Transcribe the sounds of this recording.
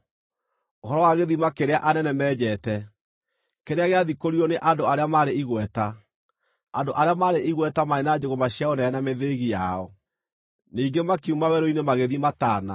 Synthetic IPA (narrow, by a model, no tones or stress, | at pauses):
ohɔɾɔwaɣeðimakeɾeaʔanɛnɛmɛːd͡ʑɛːtɛ | keɾeaɣeaðikoɾiɔneʔandoaɾeamaɾeiɣwɛta | andoʔaɾeamaːɾeʔiɣwɛtamaenad͡ʑoɣomaɕjaonɛɛnameðeɣijaɔ | niːɡemakiumawɛɾoinemaɣeðimataːna̰